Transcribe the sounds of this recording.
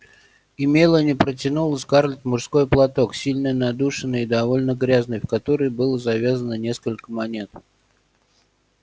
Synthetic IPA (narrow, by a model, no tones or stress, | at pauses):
ɪmʲelˠənʲɪpɾətʲɪnulˠəsʲkarlʲɪt̪ʲmʊʐsko̞jplˠɐt̪o̞ksʲilʲnɨjnɐd̪uʂɨnːɨjɪd̪ɐvo̞lʲnəɡɾʲaznɨjfkɐt̪o̞ɾəjbɨlˠəzɐvʲazənənʲe̞skəlʲkəmɐnʲe̞t̪̚